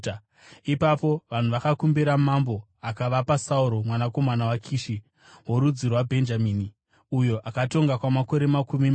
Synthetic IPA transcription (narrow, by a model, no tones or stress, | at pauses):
ipapo̞ʋan̤uʋakakumbiɾamambo̞ | akaʋapasauɾo̞mwanako̞manawakʰiːʃi | wo̞ɾud͡zirwabʱe̞nd͡ʒamiːni | ujo̞ʔakato̞ŋɡakwamako̞ɾe̞makumi